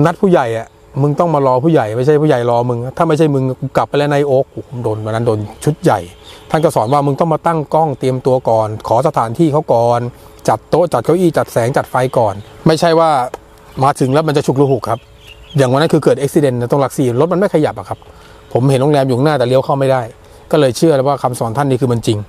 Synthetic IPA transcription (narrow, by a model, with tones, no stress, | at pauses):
na˦˥t̪̚pʰuː˥˩ja˨˩jʔa˨˩ | mɯ˧ŋt̪ɔ˥˩ŋmaː˧lɔː˧pʰuː˥˩ja˨˩jma˥˩jʰt͡ɕʰa˥˩jpʰuː˥˩ja˨˩jlɔː˧mɯ˧ŋ˦˥t̪ʰa˥˩ma˥˩jt͡ɕʰa˥˩jmɯ˧ŋka˨˩pːa˧lɛ˦˥˧na˧jʔoː˦˥k̚ːpʰo˩˦mdoː˧nwa˧nːa˦˥ndoː˧nt͡ɕʰu˦˥t̪̚ja˨˩jt̪ʰa˥˩nkɔ˥˩sɔː˩˦nwaː˥˩mɯ˧ŋt̪ɔ˥˩ŋmaː˧t̪a˥˩ŋkɔ˥˩ŋt̪i˧əmt̪u˧ɐkɔː˨˩nkʰɔː˩˦sa˧t̪ʰaː˩˦nt̪ʰiː˥˩kʰa˦˥wkɔː˨˩n | t͡ɕa˨˩t̪ːo˦˥ʔt͡ɕa˨˩t̪̚kʰa˦˥wʔiː˥˩t͡ɕa˨˩t̪̚sɛː˩˦ŋt͡ɕa˨˩t̪̚fa˧jkɔː˨˩nma˥˩jt͡ɕʰa˥˩jwaː˥˩ | maː˨˦˥t̪ʰɯ˩˦ŋlɛ˦˥wma˧nt͡ɕa˨˩t͡ɕʰu˨˩k̚lu˧˩hu˨˩kʰːa˦˥p̚ | jaː˨˩ŋwa˧nːa˦˥kɯː˧kɤː˨˩t̪̚ʔe˦˥k̚si˧de˧nːa˧˩t̪ɔ˥˩ŋla˦k̚si˧˩lo˦˥t̪̚ma˧nma˥˩jkʰa˧ja˨˩p̚a̰˨˩kʰa˦˥p̚ʰ | o˩˦mhe˨˩˦nlo˧ŋlɛː˧mju˨˩˦ŋnaː˥˩t̪ɛː˨˩li˦əwkʰa˥˩wma˥˩jda˥˩j | kɔː˥˩lɤː˧jt͡ɕʰɯ˥˩əlɛ˦˥waː˥˩kʰa˧msɔː˩˦nt̪ʰa˥˩nːiː˥˩ɯː˧ma˧nt͡ɕi˧ŋ